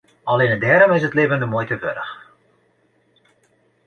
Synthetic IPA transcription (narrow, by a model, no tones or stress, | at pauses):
ɑlenədɛːɾɔmɪsətlɪːvəndəmoːjtəʋø̰ɾəx